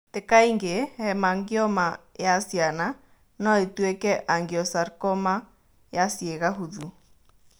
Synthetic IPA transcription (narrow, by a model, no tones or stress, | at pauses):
tekaiŋɡehɛmaŋɡiɔmajasjana | nɔetwɛkɛʔaŋɡjɔsaɾkɔma | jasieɣaɦuðu